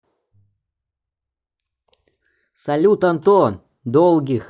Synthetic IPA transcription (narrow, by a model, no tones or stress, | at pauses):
sɐlʲut̪ɐnt̪o | d̪olˠɡʲix